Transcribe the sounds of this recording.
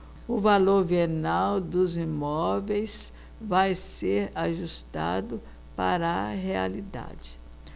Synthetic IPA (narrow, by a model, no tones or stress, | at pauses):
ʊvaloɾvenawd̪ʊzimɔvejs | vajseɾaʒust̪a̰d̪ʊ | paɾɐɦealid̪a̰d͡ʒɪ̥